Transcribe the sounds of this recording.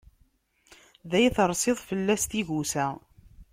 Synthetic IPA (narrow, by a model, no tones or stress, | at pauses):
ðæjθəɾˤsɪðˤfəlːæst̪iʝusæ